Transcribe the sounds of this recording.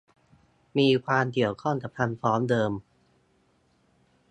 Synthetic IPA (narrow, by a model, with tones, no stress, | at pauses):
miː˧kʰwaː˧mki˨˩əwkʰɔ˥˩ŋka˨˩p̚t̪ʰa˧mfɔː˦˥mdɤː˧m